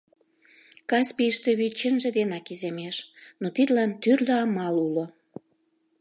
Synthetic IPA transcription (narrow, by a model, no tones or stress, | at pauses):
kɑspiʃt̪øβit͡ɕə̆nʒĕd̪enɑkizemeʃnot̪id̪lɑnt̪yrləɑmɑlulo